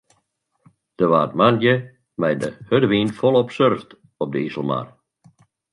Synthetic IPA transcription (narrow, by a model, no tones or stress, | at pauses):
d̥əʋaːətmanjə | mɛjdəhødəʋiːnfɔlˠɔpsørft | ɔp̚dəisl̩ˠma̰r